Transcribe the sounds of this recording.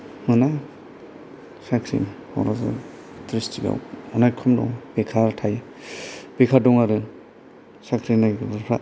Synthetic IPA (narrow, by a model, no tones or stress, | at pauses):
mɯna | sakʰɾḭmhɔ̰wɾaza̰ | tɾistʰiɡa̰wɔnajkʰɔmdɔ̰ŋbekʰaɾtʰaja | bekʰadɔŋaɾɯ | sakʰɾinaɡapʰɾa